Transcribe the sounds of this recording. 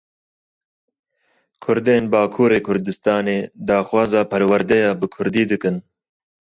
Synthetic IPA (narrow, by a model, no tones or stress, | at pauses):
kʰʊɾd̪eːnbɑːkʰuːɾeːkʰʊɾd̪ɨst̪ɑːneːd̪ɑːxwɑːzɑːpʰɐɾwɐɾd̪ɛjɑːbɨkʰʊɾd̪iːd̪ɨkɨn